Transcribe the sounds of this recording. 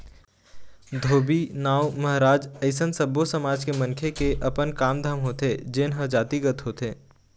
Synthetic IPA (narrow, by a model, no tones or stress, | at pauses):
d̪ʱoːbiːnaːwmɐɦɾaːd͡ʒɐɪsənsəbosəmaːd͡ʒkemɐ̃ŋkʰekeʔɐpənkaːmd̪ʱəmɦoːt̪ed͡ʒɪnɦəd͡ʒaːt̪iɡət̪ɦoːt̪eː